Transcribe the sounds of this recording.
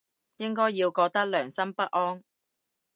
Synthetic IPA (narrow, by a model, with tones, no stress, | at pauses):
jɪ˥ŋkɔː˥jːiː˧wkɔː˧k̚t̪ɐ˥k̚lœː˨˩ŋsɐ˥mpɐ˥t̚ʔɔː˥ŋ